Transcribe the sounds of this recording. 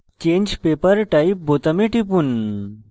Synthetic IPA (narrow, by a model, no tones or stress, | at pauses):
t͡ɕẽːɲd͡ʑpeːpəɾʈaip̚bot̪əmeʈipun